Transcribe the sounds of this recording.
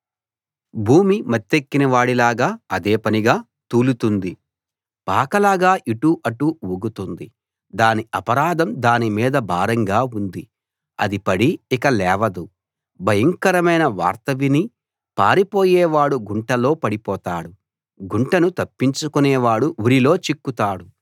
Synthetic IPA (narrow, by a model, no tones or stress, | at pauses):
bʱuːmimɐt̪ːekːinɐʋaːɽilaːɡaːɐd̪eːpɐniɡaː | t̪uːlut̪und̪i | paːkɐlaːɡaːʔiʈuʔɐʈuʋuɡut̪und̪i | d̪aːniɐpɐɾaːd̪ɐmd̪aːnimiːd̪ɐbaːɾɐŋɡaːund̪i | ɐd̪ipɐɽiːkɐlɛːʋɐd̪u | bʱɐjɐŋkɐɾɐmɐjnɐʋa̰ːɾt̪ɐʋini | paːɾipoːjɛːʋaːɽuɡuɳʈɐlo̞ːpɐɽipɔːt̪aːɽu | ɡuɳʈɐnut̪ɐpːiɲt͡ʃukunɛːʋaːɽuuɾilo̞ːt͡ʃikːut̪aːɽu